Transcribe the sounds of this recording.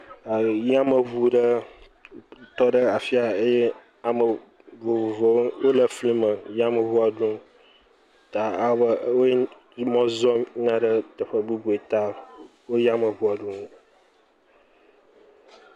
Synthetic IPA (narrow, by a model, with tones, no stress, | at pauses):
ja˦mə˨βu˦ɖə˦ | t̪ɔ˦ɖə˦a˨fi˦a˨e˦je˦ | a˨mə˨ | vo˨vo˨vo˨wwo˦lə˨flĩ˦mə˨ja˦mə˨vu˦a˨ɖũ˦ | t̪a˨a˦bə˨wo˦ | mɔ̃˦zɔ˦m˦nã˦ɖə˦t̪ə˨ɸə˦bu˦bu˨e˨t̪a˦ | wo˦ja˦mə˨vu˦a˨ɖũ˦